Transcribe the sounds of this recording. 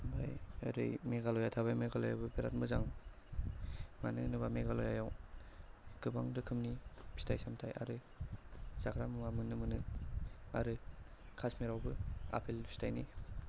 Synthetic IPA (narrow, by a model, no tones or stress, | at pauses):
ba̰jɯ̰ɾɯ̰jmeɡalojatʰaβajmeɡalojawbɯbeɾa̰t̚mɯzaŋ | manɯnɯbameɡalojajaw | ɡɯbaŋdɯkʰɯmnipʰi̥stʰajsamtʰajʔa̰ɾɯ | zakɾamɯmamɯnɯmɯnɯ | a̰ɾɯkʰasmeɾawbɯa̰pʰelbʰi̥stajni